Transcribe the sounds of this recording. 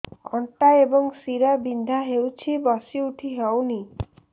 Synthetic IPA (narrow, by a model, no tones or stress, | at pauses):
ɔ̰ɳʈaebɔŋsiɾabind̪ʱaɦewt͡ʃʰibɔsiuʈʰiɦewni